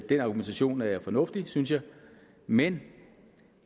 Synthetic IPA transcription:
d̥enɑ̈ɡument͡sʰæɕo̝̰ːnæɐjfɒ̽nɔ̽fd̥isynsjɑ̈ɪ | men

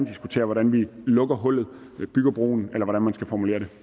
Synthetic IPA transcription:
nd̥isɡ̥ut͡sʰe̝̰ːɐʋɒɾænʋilɔ̽ɡ̥ɐɦɔ̽l̰ð̩ˠ | b̥yɡ̥ɐb̥ʁo̝̰ːn̩elɐʋɒɾænmænsɡ̥æfɒmule̝ːɐɾe̝

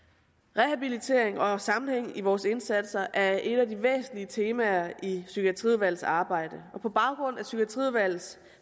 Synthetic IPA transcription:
ʁɛhæb̥ilit͡sʰe̝ɐ̰e̝ŋɒ̽sɑ̈mn̩heŋ̰iʋɒːse̝nsæd̥sɐʔæɐʔe̝ɾæd̥iʋḛːsn̩liət͡sʰe̝ːmæɐʔisykʰæt͡sʰʁḭðˠʋæl̰sɑ̈ːb̥ɑ̈ɪ̰d̥əɒ̽pʰɒ̽b̥ɑ̈ʊɡ̥ʁɔ̽n̰æsykæt͡sʰʁiðˠʋæl̰s

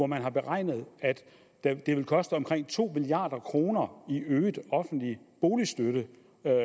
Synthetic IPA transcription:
ɒmænɦɑ̈b̥e̝ʁɑ̈ɪ̰nəð̞̩ˠæd̥ | æd̥e̝ʋe̝lkʰɒ̽sd̥əɒ̽mkʰʁeŋ̰t͡sʰo̝̰ːmilijɑ̈ːd̥ɐkʰʁo̝ːnɐiøːdˠɒ̽fn̩d̥lib̥o̝ːlisd̥øɾə

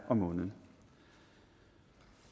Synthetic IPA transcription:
ʔɑːmoːnən

